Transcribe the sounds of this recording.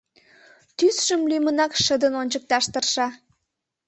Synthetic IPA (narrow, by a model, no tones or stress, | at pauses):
t̪ysʃəmlymənɑkʃəd̪ənonʲt͡ɕək̚t̪ɑʃt̪ərʃɑ